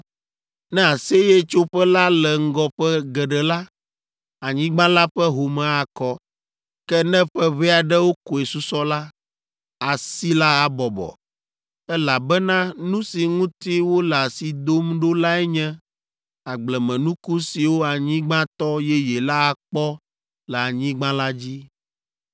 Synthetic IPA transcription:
nɛ̃˦a˨se˦jɛ˦t͡ʃo˦ɸɛ˦la˦lɛ˨ŋ̩˦ɡɔ˦ɸɛ˦ɡɛ˨ɖɛ˨la˦ | a˨ɲĩ˦ɡ͡bã˦la˦ɸɛ˦ɦo˨mɛ̃˦a˨kɔ˦ | kɛ˦nɛ̃˦ɸɛ˦βi˦a˨ɖɛ˦wo˦ko˨ɛ˨su˦sɔ˦la˦ | a˨si˦la˦a˦bɔ˨bɔ̰˨ | ɛ˦la˨bɛ˦nã˦nũ˦si˨ŋũ˦t̪i˦wo˦lɛ˨a˨si˨d̪o˦mɖo˦la˦ɛ˦ɲɛ̃˦ | a˨ɡ͡blɛ˨mɛ̃˨nũ˦ku˦si˨wo˦a˨ɲĩ˦ɡ͡bã˦t̪ɔ˦jɛ˦jɛ˨la˦a˨k͡pɔ˦ | lɛ˨a˨ɲĩ˦ɡ͡bã˦la˦d͡ʑi˦

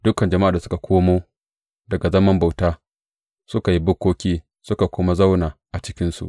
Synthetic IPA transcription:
d̥ʊ˦kɐ˨nd͡ʒɐ˨ma˦ʔa˨da˨sʊ̥˦ka˨kʷʰoː˦moː˦ | dɐ˨ɡa˨zɐ˦mɐ˦mba˨wtaː˦ | sʊ˦ka˨ji˦bʊ˦kʷːoː˦kʲiː˦ | sʊ˦ka˨kʷʊ˦ma˦za˦wnaː˨ʔa˨t͡ʃɪ˦kʲɪ˦nsṵ˨ʔ

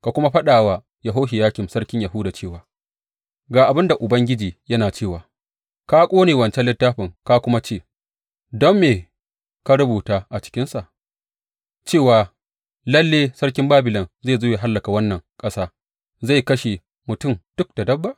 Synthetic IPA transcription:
ka˨kʷʊ˦ma˦ɸɐ˦ɗaː˨wa˨ | ja˨ɦoː˦ʃi˨jaː˦kʲɪ˨msɐ˦ɽkʲɪ˦ɲja˨ɦʊ˦daː˨t͡ʃeː˦˨waː˨ | ɡaː˨ʔa˨bɪ˦nda˨ʔʊ˨bɐ˦ŋɡʲɪ˦d͡ʒiː˨jɐ˦naː˨t͡ʃeː˦˨waː˨ | kaː˦kʷʼoː˦neː˨wɐ˨nt͡ʃɛ˦nlːɪ˦tːaː˦ɸɪ˨ŋka˦kʷʊ˦ma˦t͡ʃeː˦˨ | dɔ˦mːeː˨ | ka˦ɾʊ˦buː˨taː˦ʔa˨t͡ʃɪ̥˦kʲɪ˦nsa˨ʔ | t͡ʃeː˦˨waː˨ | lɐ˦lːeː˦sɐ˦rkʲɪ˦mbaː˦bɪ˨lɐ˨nzeː˦˨zoː˦je˨ɦa˦lːɐ˨ka˨wɐ˦nːɐ˨ŋkʼɐ˦saː˦ | za˦˨jkɐ˦ʃe˨ | mʊ˨tʊ˦˨md̥ʊ˦k̚d̥a˨dɐ˦bːa˦˨ʔ

